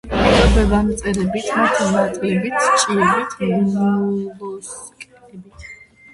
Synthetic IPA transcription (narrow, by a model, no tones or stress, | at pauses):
tʼɔbɛvamt̪sʼɛɾɛbit̪ʰmat̪ʰanat̪ʼlɛbit̪ʰt͡ʃʼiɛbit̪ʰɡumlɔskʼt̪ʰɛbit̪ʰ